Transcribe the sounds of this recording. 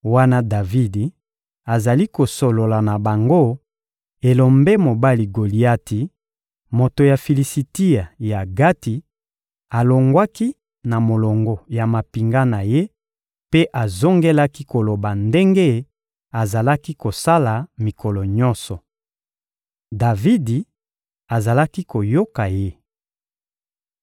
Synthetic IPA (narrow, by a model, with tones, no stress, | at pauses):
wa˦na˦da˨vi˦di˨ | a˨za˨li˦ko˨so˨lo˨la˨na˨ba˨ŋɡo˦ | e˨lo˨mbe˦mo˨ba˦li˨ɡo˨li˦a˦ti˨ | mo˨to˨ja˨fi˨li˨si˨ti˦a˨ja˨ɡa˦ti˨ | a˨lo˨ŋɡwa˦ki˦ | na˨mo˨lo˨ŋɡɔ˨ja˨ma˨pi˨ŋɡa˦na˨je˦ | pe˦ʔa˨zo˦ŋɡe˦la˦ki˦ko˨lo˨ba˨nde˦ŋɡe˦ | a˨za˨la˦ki˦ko˨sa˦la˨mi˨kɔ˨lɔ˨ɲɔ̃˦nsɔ˨ | da˨vi˦di˨ | a˨za˨la˦ki˦ko˨jo˦ka˨je˦